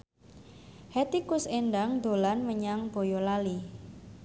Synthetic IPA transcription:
hɛt̪ikʊsenɖaŋd̪̥olanməɲaŋb̥o̤jɔlali

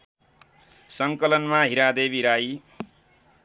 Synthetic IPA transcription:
sʌŋkʌlʌnmaɦiɾad̪eβiɾaj

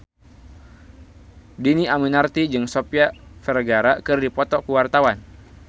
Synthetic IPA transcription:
diniaminart̪id͡ʒɨŋsopjafɛrɡaɾakɨrdipɔt̪ɔkəwart̪awan

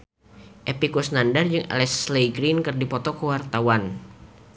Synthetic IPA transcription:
ʔepikusnandard͡ʒɨŋa̰lɛsːlejɡɾinkɨrdipɔt̪ɔkəwart̪awan

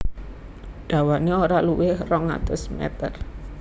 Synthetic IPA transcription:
ɖ̥ä̤waneoɾaluwɪhrɔŋa̰t̪ʊsmɛ̰t̪ər

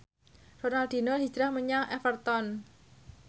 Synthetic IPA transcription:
ronald̪̥i̤nɔrɦi̥d͡ʒɾahməɲaŋʔɛfərt̪ɔn

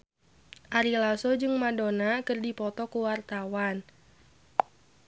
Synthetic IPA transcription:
ʔaɾilasod͡ʒɨŋmadonakɨrdipɔt̪ɔkuwart̪awan

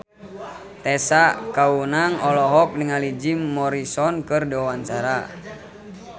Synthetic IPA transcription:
t̪ɛsakaunaŋɔlɔɦɔk̚niŋalid͡ʒimːɔɾisɔnkɨrdɔwaɲt͡ʃaɾa

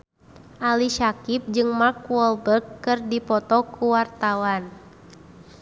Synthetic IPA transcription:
ʔaliʃakip̚d͡ʒɨŋmakwɔlbərkːɨrdipɔt̪ɔkuwart̪awan

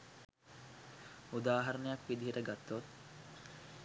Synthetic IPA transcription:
ud̪aːɦaɾənəjakʋid̪iɦəɾəɡat̪ːot̪̚

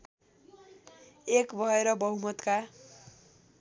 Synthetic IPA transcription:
ekbʱʌeɾʌbʌɦumʌt̪ka

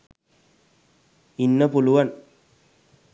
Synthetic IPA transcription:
inːɐpulʊʋɐn

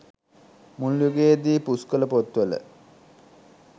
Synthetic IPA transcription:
muljuɡeːd̪iːpuskələpot̪ʋələ̰

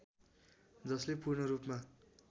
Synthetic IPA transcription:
d͡zʌslepurɳʌɾupma

